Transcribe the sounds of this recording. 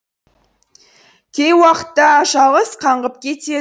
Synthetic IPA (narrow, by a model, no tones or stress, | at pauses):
kʲʰejwɑqə̥t̪ːɑʃɑʁˠəsqʰɑɴʁəp̚kʲʰe̞t̪e̞